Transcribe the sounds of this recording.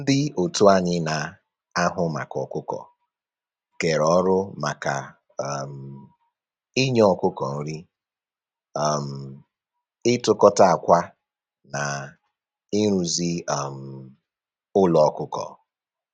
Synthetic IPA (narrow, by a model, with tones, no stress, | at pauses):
n̩˦dɪ˦o˨tu˦a˨ɲɪ˦na˨ | a˦ɦʊ˦ma̰˨kɔ˨kʊ˦kɔ̰˨ | ke˨ɾɔ˨˦ɾʊ˦ma˨ka̰˨ | m̩˨ | ɪ˦ɲ˦ɔ˦˨kʊ˦kɔ˨n̩˦ɾi˦ | a˨m̩˨ | ɪ˦tʊ˦kɔ˦ta˦a˨kʷa˦ | na˨ | i˦ɾ̃u˨zi˦a˨m̩˨ | ʊ˦lɔ˨˦kʊ˦kɔ̰˨